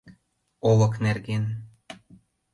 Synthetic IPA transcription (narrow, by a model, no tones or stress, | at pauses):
olɤ̆knerɡen